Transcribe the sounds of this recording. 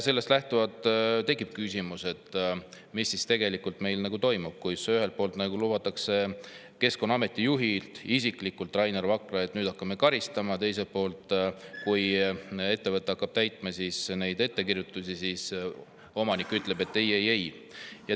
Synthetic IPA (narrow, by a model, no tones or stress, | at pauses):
se̞lːest̪læht̪uvɑd̪t̪e̞kːˑip̚kysʲimuse̞t̪ | misːist̪e̞ɡe̞likːult̪me̞jlnɑɡut̪o̞jmub̥̚kujseyɦe̞lt̪̚po̞ːlt̪nɑɡulubɑt̪ːˑɑkse̞ | ke̞skonːɑme̞t̪ːˑijuɦilt̪isikˑlikːult̪ːˑrɑjnervɑkrɑe̞t̪nyːd̪ɑkːɑmekɑɾist̪ɑmɑt̪e̞jse̞l̚po̞ːlt̪ˑkuje̞t̪ːe̞vɤt̪ːˑeɑkːɑb̥̚t̪æjt̪ˑmɑsisne̞jd̪e̞t̪ːe̞kirjut̪ːˑusʲisis | o̞mɑnikːˑyt̪ːˑle̞be̞t̪ːejejej | jɑ